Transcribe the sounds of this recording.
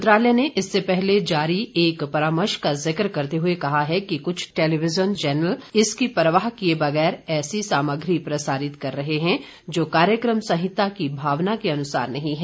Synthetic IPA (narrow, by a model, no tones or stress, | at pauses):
t̪ɾaːljəneʔɪsːepɛɦled͡ʒaːɾieːkpɐɾaːməɾʃkazɪkɾkɐɾt̪eɦʊekɐɦaɦɛkikʊt͡ʃʰʈeːleʋɪzənt͡ʃɛːnəlɪskipɾəʋaːɦkiebɐɣɛːɾɛːsisaːməɡɾipɾɐsaːɾɪt̪kɐɾːɐɦeɦɛ̃ | d͡ʒoːkaːɾjəkɾəmsɐ̃ɦɪt̪ːakibʱaːʋnakeɐnʊsa̰ːɾnɐɦĩɦɛː